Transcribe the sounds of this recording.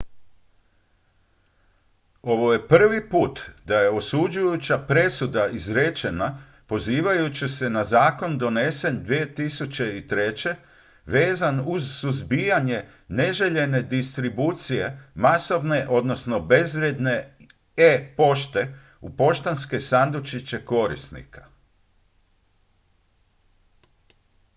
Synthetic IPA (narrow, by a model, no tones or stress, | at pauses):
o̞ʋo̞je̞pr̩ʋipuːt̪d̪ajeosud͡ʑujut͡ɕapɾe̞sud̪aizɾet͡ɕe̞na | po̞ziːʋajut͡ɕisenazaːko̞nd̪o̞ne̞se̞nd̪ʋie̞t̪isut͡ɕe̞it̪ɾe̞t͡ɕe̞ | ʋeːzanuzːuzbijaɲe̞ | ne̞ʒe̞ʎe̞ne̞d̪ist̪ɾibuːt̪sije̞maso̞ʋne̞ʔo̞d̪no̞sno̞be̞zʋɾjed̪ne̞ | epo̞ʃt̪e̞ | upo̞ʃt̪anske̞sand̪ut͡ʃit͡ɕe̞ko̞ɾḭsnḭkʰḁ